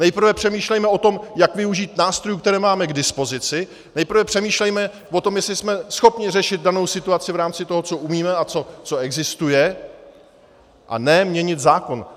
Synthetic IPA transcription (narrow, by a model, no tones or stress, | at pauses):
nɛjpr̩vɛpr̝̥ɛmiːʃlɛjmɛo̞t̪o̞mjakvɪuʒiːt̪naːst̪ɾojuːkt̪ɛɾɛːmaːmɛɡdɪspo̞zɪt͡sɪ | nɛjpr̩vɛpr̥ɛmiːʃlɛjmɛ | vo̞t̪o̞mjɛslɪsmɛsxo̞pɲɪrɛʃɪd̪̚dano̞wsɪt̪uat͡sɪvɾaːmt͡sɪt̪o̞ɦot͡so̞ʔumiːmɛat͡so̞t͡so̞ɛɡzɪst̪ujɛ | ʔa̰nɛmɲɛɲɪt̪zaːko̞n